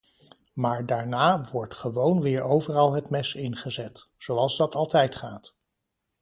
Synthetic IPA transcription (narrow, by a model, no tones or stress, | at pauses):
maːɹdaːɹnaːʋɔɹtχəʋownʋɪːɹowvərɑlˠɦətmɛsɪnχəzɛtsowɑlˠzdɑtɑlˠtɛjtχaːt